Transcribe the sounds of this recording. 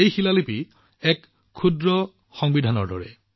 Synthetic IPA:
ejxilalipi | ɛkʰː | udɹɔ | xɔŋbidʱanɔɹdɔ̰ɹɛ̰

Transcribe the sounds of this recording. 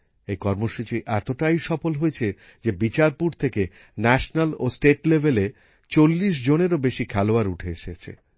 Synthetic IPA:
ejkɔɾmoʃut͡ɕiʔɛt̪oʈajʃɔfolɦojet͡ɕʰe | d͡ʑebit͡ɕaɾpuɾt̪ʰeke | nɛʃnalosʈeʈlebʱele | t͡ɕolːiʃ̬d͡ʑoneɾobeʃikʰɛloaɾuʈʰeeʃet͡ɕʰḛ

